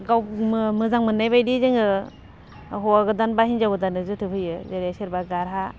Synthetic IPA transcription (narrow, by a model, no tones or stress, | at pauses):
ɡawmmɯzaŋmɯnːajbajdizeŋɯ | ɦɔaɡɯdanbahind͡ʒawɡɯdanɯzɯtʰɯpʰɯjɯzaɾiasiɾbaɡaɾɦa